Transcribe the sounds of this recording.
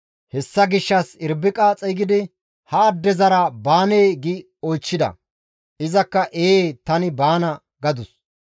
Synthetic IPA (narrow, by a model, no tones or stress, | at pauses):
hɛsːɐɡɪʃːɐsɪɾbɪkʼaːt͡sʼɛjɡɪd̪ɪ | hɐːd̪ːɛzɐɾɐbaːneːɡɪ | ɔjt͡ʃːɪd̪ɐ̰ | ʔɪzɐkːɐʔeːt̪ɐnɪbaːnɐ | ɡɐd̪ʊs